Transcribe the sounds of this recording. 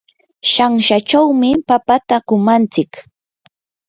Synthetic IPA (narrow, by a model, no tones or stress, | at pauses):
ʃaŋʃat͡ʃawmɪpapat̪akʊmant͡sɪk